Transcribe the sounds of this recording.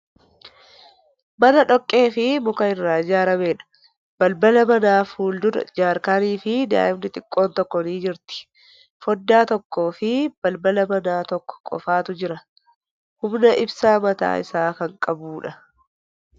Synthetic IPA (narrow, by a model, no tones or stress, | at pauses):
mɐnɐᶑɔkʼːe̞ːfɪmʊkɐɪrːaːd͡ʒaːɾɐme̞ːᶑɐ̥ | b̥ɐlbɐlɐmɐnaːfuːld̪ʊɾɐ̰d͡ʒaːɾkaːniːfɪd̪a̰ːʔɪmnɪt̪ʼɪkʼːo̞ːnt̪ɔkːɔniːd͡ʒɪɾt̪ɪ̥ | fɔd̪ːaːt̪ɔkːo̞ːfɪb̥ɐlbɐlɐbɐnaːt̪ɔkːɔ̥kʼɔ̰faːt̪ʊd͡ʒɪɾɐ | hʊmnɐʔɪbsaːmɐt̪a̰ːʔɪ̰saːkɐŋkʼɐbuːᶑɐ